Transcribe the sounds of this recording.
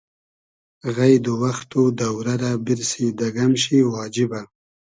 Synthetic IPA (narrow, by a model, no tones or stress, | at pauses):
ɣajd̪uwaxt̪ud̪awɾaɾabiɾsid̪aɡamʃiwɑːd͡ʒiba